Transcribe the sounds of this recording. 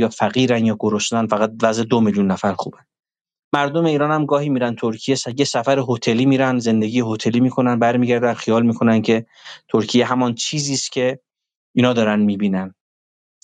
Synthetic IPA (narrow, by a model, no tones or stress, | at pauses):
jɒːfæɣiːɾænjɒːɡoɾo̞ʃt̪ænfæɣæt̪̚væzʔed̪omeljunːæfæɾxṵːbæn | mæɾd̪o̞me̞iːɾɒːnhæmɡɒːhiːmiːɾænt̪ʰoɾcʰijesjesæfæɾeɦot̪ʰe̞liːmiːɾænze̞nd̪e̞ɡiːjehot̪ʰe̞liːmiːkʰo̞nænbæɾmiːɟæɾd̪ænxijɒːlmiːkʰo̞næncʰe̞ | t̪ʰoɾcʰijeɦæmɒnt͡ʃʰiːziːscʰe̞ | inhɒːd̪ɒːɾænmiːbiːnæn